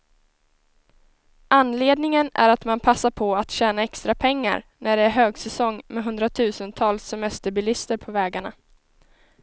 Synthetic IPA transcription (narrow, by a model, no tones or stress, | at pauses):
ʔanleːd̪nɪŋənæ̰ɾat̪manpʰasːaɾpʰɔat̪ɕɛːnaɛkst̪ɾapʰɛŋːa̰ɾnæɖɛæɾɦøːɡsɛsɔŋːmɛɦɵnd̪ɾat̪ʰʉ̟ːsənt̪ʰɑːlsːɛmɛst̪əɾbɪlɪst̪əɾpʰɔvɛːɡaɳa̰